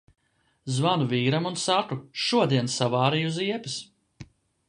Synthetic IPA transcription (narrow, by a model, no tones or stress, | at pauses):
zvanuviːɾamunsakuʃuɔd̪iɛnsavaːɾijuziɛpis